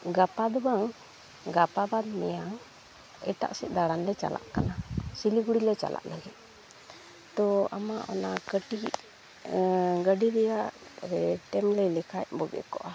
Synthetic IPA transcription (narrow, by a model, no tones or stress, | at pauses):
ɡapad̪ɔbaŋ | ɡapabad̪mɛjaŋ | ɛʈa̰ʔsɛʔ̪̚d̪aɽanlɛt͡ʃa̰lʔa̰ʔkanasiliɡuɽilɛt͡ʃa̰lʔa̰ʔləɡɛt̪̚ | t̪ɔamaʔɔ̰nakəʈi | ɡəɖiɾɛjaʔɾɛʈɛmlɛlɛkʰajbɔɡɛ̰ʔkɔʔa